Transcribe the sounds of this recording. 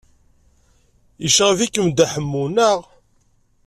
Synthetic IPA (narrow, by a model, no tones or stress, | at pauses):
iʃəʁvikːəmd̪æħəmːunəʁ